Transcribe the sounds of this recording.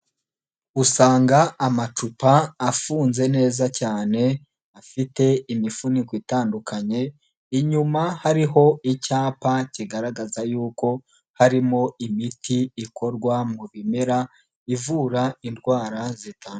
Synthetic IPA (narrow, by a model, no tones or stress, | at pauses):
usaːŋɡaːmat͡ʃupaːfuːnze̞ne̞ːzacaːne̞ | afite̞imifunikwitaːndukʰaɲe̞ | iɲumahaɾiɦo̞icaːpaciɡaɾaɡazajuːko̞ | haɾimo̞imitʰiːkʰo̞ɾɡwamuβimeɾa | ivuːɾaindɡwaːɾazitaːn